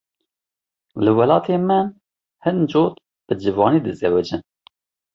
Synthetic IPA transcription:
lɨwɛlɑːt̪ʰeːmɨn | hɨnd͡ʒoːt̪ | b̥ɨd͡ʒɨvɑːniːd̪ɨzɛwɛd͡ʒɨn

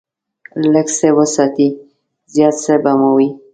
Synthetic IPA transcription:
ləksewəsɑt̪i | zjɑt̪sebamawi

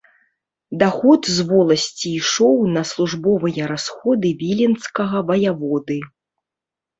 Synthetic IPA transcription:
d̪axɔt̪zvɔlˠɐsʲt͡sʲiːʂɔwnɐslˠuʐbɔvɨjɛɾasxɔd̪ɨvʲilʲinskɐɣɐvɐjavɔd̪ɨ

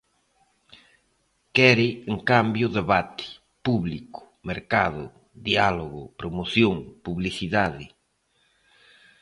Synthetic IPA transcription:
kɛɾɪeŋkambjʊðeβat̪ɪ̥ | puβlikʊ̥ | meɾkaðʊ̰ | ðialoɣʊpɾomoθjoŋpuβliθiðaðɪ

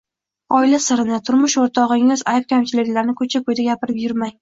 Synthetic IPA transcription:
ɒɪlasɪɾɪnɪt̪ʰʊɾmʊʃoɾt̪ʰɒʁɪŋɪzajɪp̚kʲʰamt͡ʃʰɪlɪkʲlaɾnɪkʰɵt͡ʃʰakʰɵjd̪aɡʲapɪɾɪpjʊɾmaj

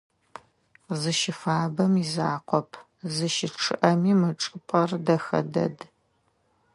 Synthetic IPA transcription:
zɨʃɪfaːbɐmizaːqʷɔpʰ | zɨʃɪʈ͡ʂʰɨʔɐmiːmɨʈ͡ʂʼɨpʼɐrdɐxɐ̰dɐ̰d

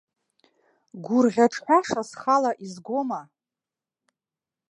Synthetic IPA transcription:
ɡʷʊrʁʲaʈ͡ʂʰħʷᶣaʂasχalaʔizɡʷo̞ma

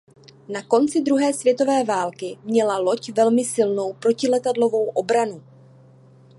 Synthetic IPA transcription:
nako̞nt͡sɪd̪ɾuɦɛːsvjɛt̪o̞vɛːvaːlkɪmɲɛlalo̞cvɛlmɪsɪlno̞wpɾo̞cɪlɛt̪adlo̞vo̞wʔo̞bɾanu

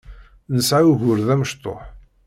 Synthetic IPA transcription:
nəsʕaʝʊɾðæməʃt̪ˤo̰ħ

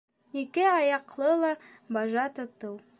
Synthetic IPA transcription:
ikɘɑjɑqlˠɤlˠɑ | bɑʒɑt̪ŏt̪ɤw

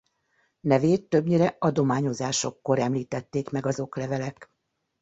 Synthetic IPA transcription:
nɛveːt̪ːø̞bɲiɾɛɒd̪o̞maːɲo̞zaːʃo̞kːo̞ɾɛmliːt̪ɛt̪ːeːkmɛɡɒzo̞klɛvɛlɛk

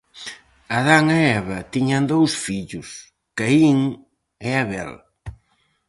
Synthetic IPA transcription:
aðaŋaɛβɐt̪iɲand̪owsfiʎʊs | kaiŋ | ɛaβɛ̰l

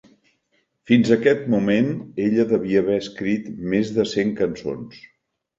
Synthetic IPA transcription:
finzəkɛt̪̚mumeneʎəðəβiəːβɛəskɾit̪mezðəseŋkənso̰ns

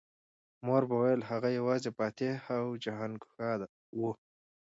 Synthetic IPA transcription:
moɾbawajəlhaɣajawɑzepɑːt̪ehawd͡ʒaɦɑnɡʊxɑd̪a | wu

